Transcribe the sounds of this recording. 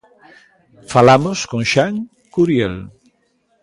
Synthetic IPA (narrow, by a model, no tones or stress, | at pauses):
falamoskõŋʃaŋ | kuɾjel